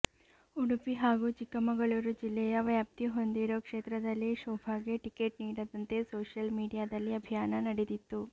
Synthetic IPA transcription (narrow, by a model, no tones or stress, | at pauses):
uɽupiɦaːɡuːt͡ʃikːɐmɐɡɐɭuɾud͡ʒilːɛjɐʋjaːp̚t̪iɦo̞nd̪iɾoːkʂeːt̪ɾɐd̪ɐlːiʃoːbʱaːɡeʈikeʈniːɽɐd̪ɐnt̪e̞soːʂjɐlmiːɽijaːd̪ɐlːiɐbʱijaːnɐnɐɽed̪it̪ːu